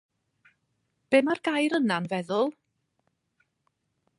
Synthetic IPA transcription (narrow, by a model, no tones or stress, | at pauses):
b̥eːmarɡajɾənanvɛðʊlˠ